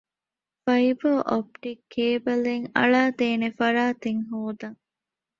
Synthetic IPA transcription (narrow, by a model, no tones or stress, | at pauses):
fɐibɐʔop̚ʈikʰːeːbɐleŋɐ̰ɭaːt̪eːnefɐɾaːt̪eŋɦoːd̪ɐŋ